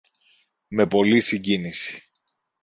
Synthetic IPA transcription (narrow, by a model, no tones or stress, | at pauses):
me̞po̞lisiɲɟinisi̥